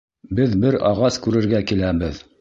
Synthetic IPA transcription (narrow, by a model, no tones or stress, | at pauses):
bɘðbɘɾɑʁɑskʉɾɘ̆ɾɡækilæbɘð